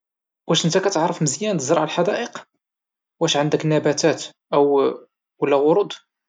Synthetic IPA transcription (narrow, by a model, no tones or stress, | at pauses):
wæʃənt̪ækæt̪ʕɾˤːəfməzjænt̪əzɾˤɑʕalħad̪æʔəq | wæʃʕənd̪əknːæbæt̪æt̪ʔəw | wəlːæɣʊɾud̪ˤ